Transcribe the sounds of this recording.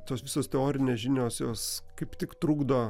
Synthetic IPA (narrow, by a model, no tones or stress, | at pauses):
t̪oːsʋʲɪsoːst̪ʲɛoːɾʲɪnʲeːsʒʲɪnʲoːsjoːskɐɪpt̪ʲɪkt̪ɾuːɡd̪oː